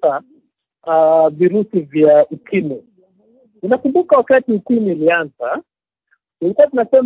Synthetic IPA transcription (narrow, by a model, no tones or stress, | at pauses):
a | viɾusivjaukʰimi | unakumbukawakatiukimilianza | kulikuwatunasɛm